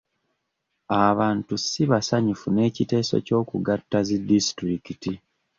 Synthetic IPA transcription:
aβaːntusiβasaɲufune̞ːcite̞ːso̞̰co̞ːkuɡatːazidistɾikiti

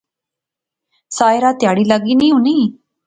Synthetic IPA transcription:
saːjɾaːt̪jaːɽiːlaɡiːnĩːɦũniː

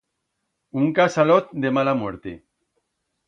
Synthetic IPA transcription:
uŋkasalot̪̚d̪emalamweɾt̪e

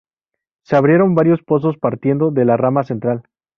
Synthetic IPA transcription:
se̞aβɾje̞ɾo̞mbaɾjo̞spo̞s̬o̞spaɾt̪je̞nd̪o̞ðe̞laramase̞nt̪ɾal

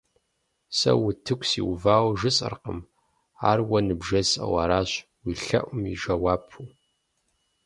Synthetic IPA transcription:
sɐ̰wʊtʰɨkʷʰʼsḭwvaːwʒɨsʼɨ̰rqəm | aːrwɐnɨbʒɐsʼɐ̰wɐ̰ɾaːɕ | wiːɬɐ̰ʔʷʊmḭʒɐwaːpʰu

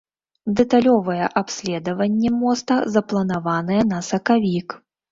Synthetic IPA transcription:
d̪ɛt̪alʲɔvɐjɛʔapsʲlʲɛd̪ɐvɐnʲːɛmɔst̪ɐzɐplˠɐnavanɨjɛnɐsɐkavʲik

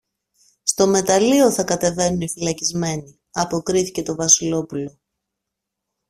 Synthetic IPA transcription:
st̪o̞me̞t̪ɐlio̞θɐkɐt̪e̞ve̞nunifilɐcizme̞ni | ɐpo̞kɾiθice̞t̪o̞vɐsilo̞pulo̞

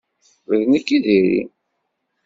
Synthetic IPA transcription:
vəðnikːiðiɾḭ

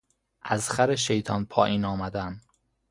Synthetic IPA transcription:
ʔæzxæɾeʃejt̪ʰɒːnpʰɒːʔiːnɒːmæd̪æn

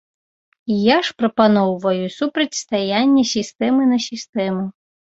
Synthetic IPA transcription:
ijaʂpɾɐpanɔwvɐjusupɾɐt͡sʲst̪ajanʲːɐsʲist̪ɛmɨnɐsʲist̪ɛmu

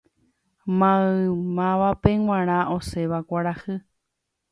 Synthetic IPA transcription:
mãɨmãʋapẽŋ̃ʷw̃ʷãɾ̃ãʔoseʋakʷaɾahɨ

